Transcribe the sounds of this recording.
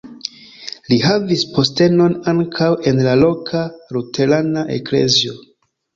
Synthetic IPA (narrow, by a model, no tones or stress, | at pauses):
lihavispo̞ste̞no̞naŋkʰawe̞nlalo̞kʰaɾute̞lanaʔḛkle̞̰zio̞